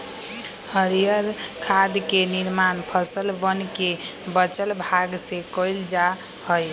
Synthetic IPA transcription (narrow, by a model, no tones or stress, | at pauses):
həɾijəɾkʰad̪keniɾmanpʰəsəlbənkebət͡ʃəlbʱaɡsekojld͡ʒa | hoj